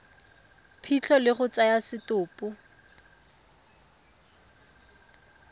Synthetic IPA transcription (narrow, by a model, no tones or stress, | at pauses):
pʰit͡ɬʰɔlɪχʊt͡sajasɪtʊːpʊ